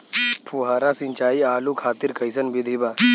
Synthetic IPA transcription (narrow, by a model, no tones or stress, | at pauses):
pʰuɦaːɾasɪ̃nt͡ʃaːiaːlukʰaːt̪ɪɾkəɪsənbɪd̪ʱibaː